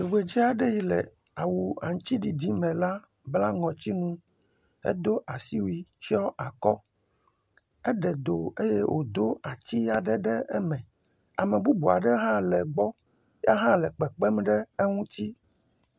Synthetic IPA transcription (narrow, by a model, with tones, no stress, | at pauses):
i˨ɡ͡be˨d͡ʑi˦a˨ɖe˦ji˦lɛ̰˨ | a˨wu˨a̰˨ŋ̩˦t͡ɕ̪i˦ɖi˨di˦mɛ̃˨la˦ | bla˦ŋɔ̃˨t͡ɕ̪i˦nũ˦ | ḛ˦d̪o˦ʔa˨si˦wi˦t͡ʃɔ˦a˨kɔ˦ | ɛ˦ɖɛ˨d̪o˨e˦je˦wʔo̰˨d̪o˦a˨t̪i˦a˨ɖɛ˦ɖɛ˦ɛ˦mɛ̃˨ | a˨mɛ̃˨bu˦bu˨a̰˨ɖɛ˦ɦã˦lɛ˨ɡ͡bɔ˦ | ja˦ɦã˦lɛ˨k͡pɛ˨k͡pɛ˦mɖɛ˦e˦ŋũ˦t̪i˦